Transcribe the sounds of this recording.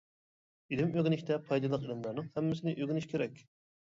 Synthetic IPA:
ilɪmøɡʲinɪʃʲt̪ʰɛpʰɑjd̪ɨlˠəqilɨmlˠɑɾnɨŋhɛmːɪsɪnɪʔøɡʲynyʃkʲʰeɾɛkʲ

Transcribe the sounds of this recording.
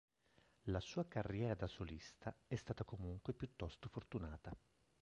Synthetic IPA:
lasuːakarːjɛːɾad̪asolist̪aɛst̪aːt̪akomuŋkwepjut̪ːɔst̪ofort̪unaːt̪a

